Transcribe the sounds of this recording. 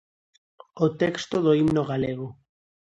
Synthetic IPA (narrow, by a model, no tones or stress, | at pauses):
ot̪ɛkst̪oðoimnoɣaleɣo